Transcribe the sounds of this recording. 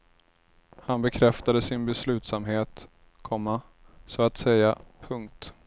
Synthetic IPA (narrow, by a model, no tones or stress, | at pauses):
hanbɛkʰɾɛft̪ad̪əsɪnbɛslʉ̟ːt̪samɦeːt̪ | kʰɔmːa | sɔat̪sɛjːapʰɵŋk̚t̪